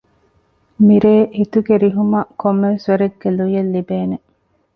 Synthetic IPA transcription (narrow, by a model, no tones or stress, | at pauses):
miɾeːʔit̪uɡeɾiɦumɐkomːeʋesʋɐɾeɡːelujɐlːibeːne